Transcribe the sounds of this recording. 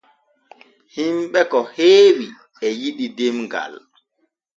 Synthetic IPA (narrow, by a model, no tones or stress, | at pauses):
himɓɛkɔheːwi | ɛjiɗidemɡa̰l